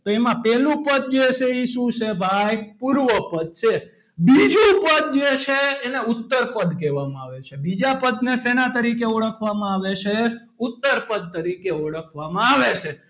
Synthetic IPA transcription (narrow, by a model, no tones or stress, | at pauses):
t̪oemãpɛlũpəd̪̚d͡ʒet͡ʃʰeisusebʱajpuɾʋəpəd̪̚t͡ʃʰe | bid͡ʒũpəd̪̚d͡ʒet͡ʃʰeːneut̪ːəɾpəd̪keʋamãaʋet͡ʃʰebid͡ʒapəd̪nesenat̪əɾikeɔɽəkʰʋamãaʋet͡ʃʰe | ʊt̪ːəɾpəd̪̚t̪əɾikeɔɽəkʰʋamãaʋet͡ʃʰe